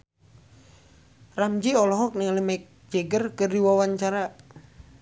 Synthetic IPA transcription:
ramd͡ʒiɔlɔɦɔk̚niŋalimaik̚ | d͡ʒɛɡərkɨrdiwawaɲt͡ʃaɾa

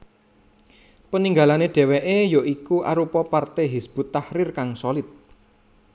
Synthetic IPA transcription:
pəniŋɡalaneɖ̥ɛ̤weʔejoʔikuʔa̰ɾupɔpart̪eɦisb̥ṳt̪ːahɾɪrkaŋsolɪt̪̚

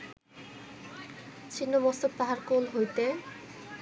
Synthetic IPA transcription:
t͡ɕʰinːomɔst̪opɾaɦaɾkolɦojt̪e

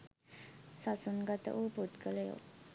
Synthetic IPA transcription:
sasunɡat̪ə̰ʔuːput̪ɡələjo̰

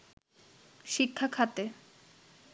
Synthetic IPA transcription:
ʃikʰːakʰat̪e

